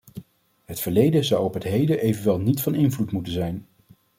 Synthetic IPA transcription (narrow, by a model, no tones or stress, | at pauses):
ɦətfəɹlejdəzʌwɔpɦətɦejdəʔejvənʋɛlˠnitfɑnɪnvlutmutənzɛjn